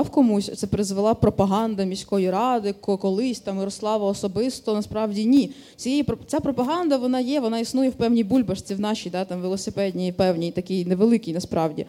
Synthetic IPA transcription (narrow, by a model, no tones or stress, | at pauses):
wkɔmusʲt̪sɛpɾɪzʋelˠɑpɾɔpɐɦɑnd̪ɐmʲisʲkɔjiɾɑd̪ɪkɔkɔlˠɪsʲt̪ɑmɾɔslˠɑʋɐɔsɔbɪst̪ɔnɐspɾɑwdʲinʲi | t͡sʲijejipɔt͡sʲapɾɔpɐɦɑnd̪ɐʋɔnɑjɛʋɔnɑisnujɛwpɛwnʲijbulʲbɐʃt̪t͡sʲiwnɑʃʲijd̪ɑt̪ɑmʋelˠɔsepɛdʲnʲijpɛwnʲijt̪ɐkɪjneʋelˠɪkɪjnɐspɾɑwdʲḭ